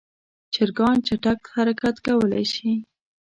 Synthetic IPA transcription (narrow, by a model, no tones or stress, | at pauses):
t͡ʃɪɾɡɑnt͡ʃaʈak̚haɾakat̪kawəla̰jʃi